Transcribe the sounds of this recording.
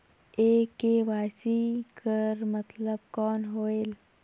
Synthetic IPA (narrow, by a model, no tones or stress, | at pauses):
eːkːeːʋaːsikəɾmət̪ləb̚kɔːnɦoːeːl